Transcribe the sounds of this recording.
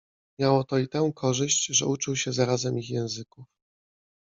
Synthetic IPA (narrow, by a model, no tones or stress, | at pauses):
mʲjawɔt̪ɔit̪ɛ̃w̃kʰɔʐɘɕt͡ɕʐɛut͡ʂɘwɕɛzaɾazɛmixjɛ̃w̃zɘkuf